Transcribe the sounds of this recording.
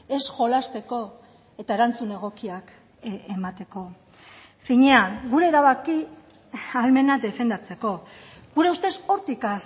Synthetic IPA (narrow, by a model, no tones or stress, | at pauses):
e̞sʝo̞last̪e̞ko̞ | e̞t̪ae̞ɾant͡sune̞ɣ̞o̞kiak | emat̪e̞ko̞ | fiɲe̞aŋɡuɾe̞ːɾaβaki | alme̞nad̪e̞fe̞nd̪at͡se̞ko̞ | ɣuɾe̞ust̪e̞so̞ɾt̪ika